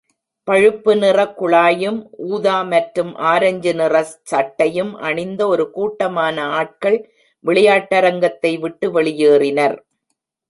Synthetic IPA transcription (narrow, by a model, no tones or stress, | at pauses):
pɐɻɯpːɯnɪrɐkːʊɭaːjɯmʔuːðaːmɐʈɾɯmʔaːɾɐɲd͡ʒɯnɪrɐsɐʈːɐjɯmʔɐ̰ɳɪnd̪ɐɔɾɯkuːʈːɐmaːnɐaːʈ̚kɐɭ | ʋɪɭɐjaːʈːɐɾɐŋɡɐt̪ːɐɪʋɪʈːɯʋɛɭɪjeːrɪnɐɾ